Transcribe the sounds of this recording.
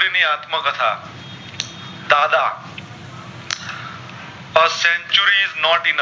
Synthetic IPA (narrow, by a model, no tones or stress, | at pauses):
ɾiniːaːt̪məkɐt̪ʰa̰ː | d̪aːd̪aː | ɐsẽɲt͡ʃuɾiznɔːʈin